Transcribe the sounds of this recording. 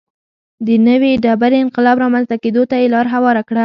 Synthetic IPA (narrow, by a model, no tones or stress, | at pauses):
d̪ənəweɖabaɾeɪnqɪlɑbɾɑmanzt̪aked̪ot̪ajelɑɾɦawɑɾakɽa